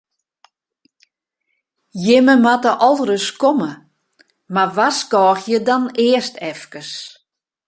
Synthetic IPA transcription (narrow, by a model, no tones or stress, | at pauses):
jɪməmatəʔɔlˠrəskɔmə | maʋaskɔːxjədɔnɪːəstʰɛfkəs